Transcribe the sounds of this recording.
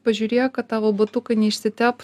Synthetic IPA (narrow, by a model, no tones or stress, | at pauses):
pɐʒʲuːɾʲeːjokɐt̪t̪ːɑːʋoːbɐt̪ʊkɐnʲɛɪʃʲsʲɪt̪ʲæːp